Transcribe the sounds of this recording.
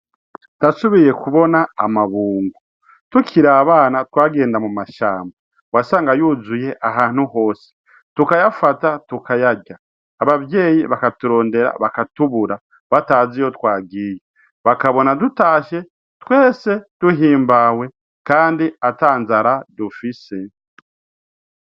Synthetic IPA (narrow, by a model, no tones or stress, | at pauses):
tasuβije̞kuβo̞naa̰maβuːŋɡu | tucʰiɾaːβaːnatwaːɡe̞ːndamumaʃa̰ːmba | wasaːŋɡajuzuje̞ʔaɦaːn̥huho̞ːsi̥ | tukajafatatukajaɟaː | βaβje̞ːjiβakatuɾo̞ːnde̞ɾa̰βakatuβuɾa | βataːzijo̞twaːɡije | βakaβo̞nadutaːʃe̞ | twe̞ːse̞d̥uɦiːmbawe̞ | kaːndiataːnzaɾadufise̞